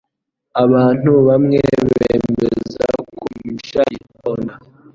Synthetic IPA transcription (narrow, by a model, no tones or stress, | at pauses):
aβaːn̥uβamŋeβeːmmeza̰kumuʃajipona